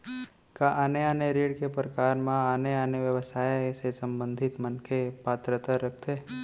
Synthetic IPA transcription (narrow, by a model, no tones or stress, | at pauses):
kaʔaːneaːneɾeːɽkepɾəkaːɾmãaːneaːneʋjəʋəsaːjsesə̃mbə̃nd̪ʱɪt̪mənkʰepaːt̪ɾət̪aɾək̚ʰt̪eː